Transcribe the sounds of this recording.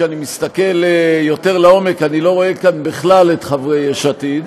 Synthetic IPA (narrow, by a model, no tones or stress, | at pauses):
animist̪ake̞ljo̞te̞ʁlao̞me̞kanilo̞ʁo̞ekanbiχlale̞tχavʁejeʃat̪it